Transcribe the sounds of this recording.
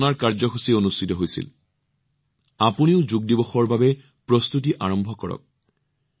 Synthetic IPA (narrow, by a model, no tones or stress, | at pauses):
naɹkaɹzɔxusionustitɔɦojsḭl | apuniʊzuɡ̚dibɔxɔɹbabɛ | pɹɔst̪ut̬iʔaɹɔmbʱɔkɔ̰ɹɔ̰k̚